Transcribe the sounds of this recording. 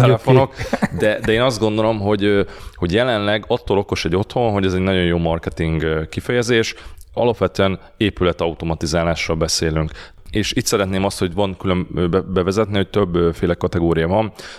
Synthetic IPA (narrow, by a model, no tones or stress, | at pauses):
t̪ɛlɛfono̞kd̪ɛd̪ɛeːnɒzd̪ɡo̞nd̪o̞lo̞mɦo̞ɟho̞ɟjɛlɛnlɛɡɒt̪ːoːlo̞ko̞ʃɛɟo̞t̪ho̞nɦo̞ɟɛzɛɟnɒɟo̞njoːmɒrkɛt̪iŋɡkifɛjɛzeːʃɒ̰lɒpʋɛt̪øːɛn | eːpylɛt̪ɒut̪o̞mɒt̪izaːlaːʃroːlbɛseːlyŋk | eːʃiːt̪sɛɾɛt̪neːmɒst̪ho̞ɟvɒŋkylø̞mbɛvɛzɛt̪nihoc̚t̪øbːfeːlɛkɒt̪ɛɡoːɾijɒvɒn